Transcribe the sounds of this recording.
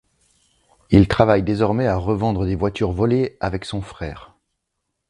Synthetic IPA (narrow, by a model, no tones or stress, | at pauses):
ilt̪χavajd̪ezɔʁmɛaʁəvɑ̃d̪ʁəd̪evwat̪yʁvɔleavɛksɔ̃fχɛːʁ